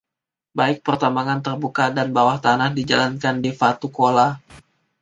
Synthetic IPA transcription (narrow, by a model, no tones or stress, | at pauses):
baɪk̚pərt̪ambaŋant̪ərbukadanbawaht̪anahdid͡ʒalankandifat̪ukola